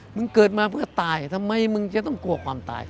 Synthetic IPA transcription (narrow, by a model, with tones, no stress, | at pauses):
mɯ˧ŋkɤː˨˩t̪̚maː˧pʰɯ˥˩ɐt̪aː˧jt̪ʰa˧mːa˧jmɯ˧ŋt͡ɕa˨˧˨t̪ɔ˥˩ŋku˧ɐkʰwaː˧mt̪a̰ː˧j